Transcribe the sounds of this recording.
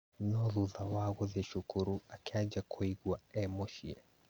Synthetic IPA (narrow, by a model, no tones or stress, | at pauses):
nɔðuðawaɣɔzɛʃukuɾuakʰad͡ʒakʰuiɡwaɛmɔʃiɛ